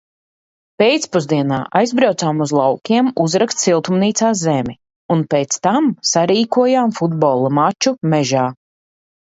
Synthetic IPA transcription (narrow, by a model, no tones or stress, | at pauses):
peːjt̪spuzd̪iɛna̰ːʔajzbɾawt̪saːmuzlˠawkʲiɛmuzɾakst̪silˠt̪umniːt̪saːszɛmʲi | unpeːt̪st̪amsaɾiːkuɔjaːmfud̪bɔːlˠumat͡ʃumɛʒaː